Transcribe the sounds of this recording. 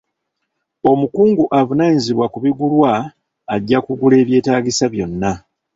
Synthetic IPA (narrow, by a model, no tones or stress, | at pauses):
o̞mukuːŋɡuʔavunaziβwakuβiɡulwaː | ɟːakuɡule̞ːβje̞ːtaːɡisaβjo̞nːa